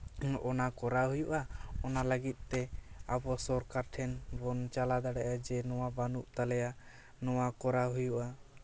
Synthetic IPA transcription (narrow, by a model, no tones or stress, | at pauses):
ɔnakɔɾaɦujuʔaɔnaləɡit̪̚ˀt̪ɛabɔsɔɾkaɾʈʰɛnbɔnt͡ʃalad̪aɽɛʔad͡ʒɛnɔwabanuʔt̪alɛja | nɔwakɔɾaɦujuʔa